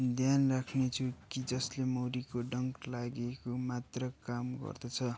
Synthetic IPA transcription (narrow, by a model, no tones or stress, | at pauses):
d̪ʱjanrakʰnet͡sʰukid͡zʌslemoɾikoɖʌŋklaɡekomat̪rʌkamɡʌ̰rd̪ʌt͡sʰʌ